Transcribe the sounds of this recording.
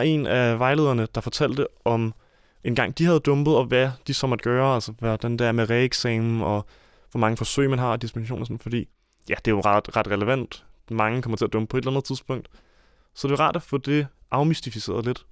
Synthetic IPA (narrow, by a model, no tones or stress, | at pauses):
e̝̰næʋɑ̈ɪle̝ːð̞̰ˠɐnəd̥ɑ̈fɒ̽t͡sʰæl̰d̥əʔɒ̽m | e̝nɡ̥ɑ̈ŋ̰d̥ihæðˠd̥ɔ̽mb̥ð̞̩ˠɒ̽ʋæd̥isɒ̽mæd̥̚ɡ̥ɶːɐæl̰sɐʋæd̥ænd̥eæɐmeʁɛeɡ̥sɛːm̩ɒ̽ | ʋɒmɑ̈ŋəfɒ̽sø̰ɪ̰mænɦɑ̈d̥isb̥inɕo̝̰ːnɐsɔ̽nn̩fɒ̽d̥ḭː | jæd̥e̝joʁɑd̥ʁɑ̈d̥ʁɛləʋæn̰d̥mɑ̈ŋəkʰɒ̽mɐt͡sʰe̝æɐd̥ɔ̽mb̥əpʰɒ̽e̥lænð̩ˠt͡sʰiðˠsb̥ɔ̽ŋ̰d̥ | sɒ̽d̥e̝ʋɑʁɑ̰̈ːd̥æfɔ̽d̥e̝ʔɑ̈ʊmisd̥ifise̝̰ːɐðˠle̝d̥